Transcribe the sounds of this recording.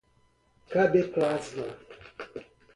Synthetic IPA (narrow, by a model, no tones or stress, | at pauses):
kabeklasna